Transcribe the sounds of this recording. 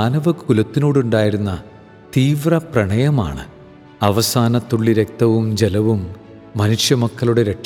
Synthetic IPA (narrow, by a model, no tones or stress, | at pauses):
aːnɐʋɐkkulɐt̪ːinoːɽuɳɖaːjiɾunːɐ | t̪iːʋrɐprɐɳɐjɐma̰ːɳɨ̰ | ɐʋɐsaːnɐt̪ːuɭːiɾek̚t̪ɐʋumd͡ʑelɐʋumː | ɐnuʂjɐmɐkːɐluɽeɾeʈ